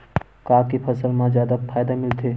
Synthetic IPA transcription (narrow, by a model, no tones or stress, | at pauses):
kaːkipʰəsəlmãzjaːd̪apʰaːjd̪amɪlt̪ʰeː